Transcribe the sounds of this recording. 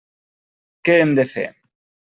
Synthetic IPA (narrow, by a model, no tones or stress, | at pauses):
keːmd̪efḛ